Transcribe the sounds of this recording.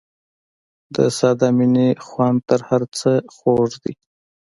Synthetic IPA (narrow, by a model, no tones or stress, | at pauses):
d̪əsɑd̪ɑminixwɑnt̪əɾhaɾt͡səxoʐd̪i